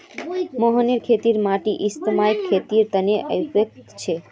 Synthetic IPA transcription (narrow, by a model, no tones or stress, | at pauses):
mɔɦəneɾkʰet̪iɾmaʈiʔist̪əmajkʰːet̪iɾt̪əneʔə̰jpɾek̚t̪t͡ʃʰe